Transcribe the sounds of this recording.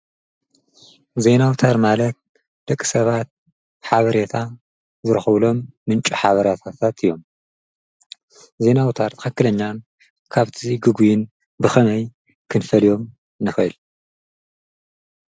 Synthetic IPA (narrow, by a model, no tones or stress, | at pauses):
ze̞nawt̪ʰaɾmalɐt̪̚ | d̪̥ɐkʼːi̥sɐβat̪̚ | ħaβɐɾet̪ʰa | zɨɾɐxɐβlo̞mːɨnt͡ʃʼuħaβɐɾat̪ʰat̪ʰat̪ɨjːo̞m | ze̞nawt̪ʰaɾt̪ʰɨ̥xɐkːɨlɐɲːan | kʰaβt̪ʰɨziɡɨɡujɪn | bɨxɐnɐj | kʰɨnfɐlijo̞m | nɨxɐɨl